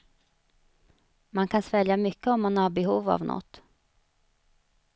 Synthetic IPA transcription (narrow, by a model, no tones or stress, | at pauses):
mankʰansvɛljamʏkːəɔmːanhaɾbɛɦuːva̰vnʔɔ̰t̪ː